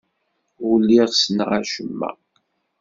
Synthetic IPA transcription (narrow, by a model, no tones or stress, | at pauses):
ulːiʁsənʁæʃəmːæ̰